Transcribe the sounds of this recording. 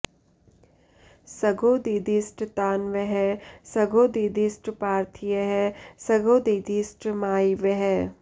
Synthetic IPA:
sɐɡoːd̪iːd̪iːsʈt̪aːnʋəɦɛsɐɡoːd̪iːd̪isʈpaːɾt̪ʰijəɦɛsɐɡoːd̪iːd̪iːsʈmaːiʋeɦɛ

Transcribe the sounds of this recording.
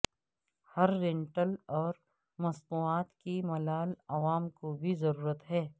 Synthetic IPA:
hɐɾːẽɳʈəlɔːɾ | mɐst̪uːaːt̪kimɐlaːlɐʋaːmkobʱizɐɾuːɾət̪ɦɛː

